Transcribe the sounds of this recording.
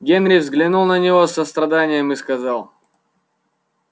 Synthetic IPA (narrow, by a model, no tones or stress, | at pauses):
ɡʲenɾʲɪvzɡlʲɪnulˠnənʲɪvosəst̪ɾɐd̪anʲɪjəmɨskɐzɑlˠ